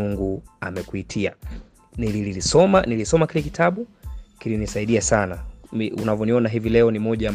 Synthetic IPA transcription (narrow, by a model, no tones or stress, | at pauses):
uŋɡua̰mɛkuitʰia̰ | nilililisɔmanilisɔmakilɛki̥tʰaɓukilinisaiɗiasanamiṵnavjɔniɔnaɦivilɛɔnimɔʄaa